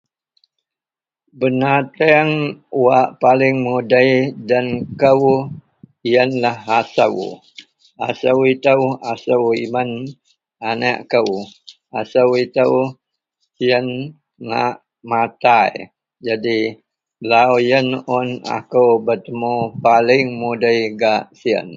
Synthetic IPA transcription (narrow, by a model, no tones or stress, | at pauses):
bənat̪əŋwaʔpalɪŋmudəjdankəw | jənlahasə̰w | asəwit̪əwasəwimən | ana̰ʔkəw | asəwit̪əw | siən | ŋa̰ʔ | mat̪aj | d͡ʒadi | lawjənɔna̰kəwbət̪əmopalɪŋmudəjɡaʔsiə̰n